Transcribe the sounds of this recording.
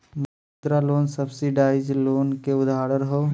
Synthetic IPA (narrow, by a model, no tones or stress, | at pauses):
mɐ | t̪ɾaloːnsəbsiɖaːɪd͡ʒloːnkeʊd̪ʱaːɾəɾɦoː